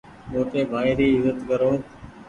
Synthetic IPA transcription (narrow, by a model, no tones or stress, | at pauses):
moːʈ̪eːbʱaːɪɾiːɪzət̪kəɾõː